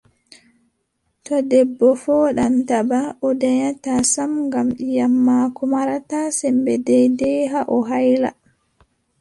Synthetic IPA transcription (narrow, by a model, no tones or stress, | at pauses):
tɔdɛbːɔfɔːɗantabaʔɔdɛɲatasamŋɡamjamːakumaɾatasɛmbɛdɛjdɛɦaʔɔɦajla̰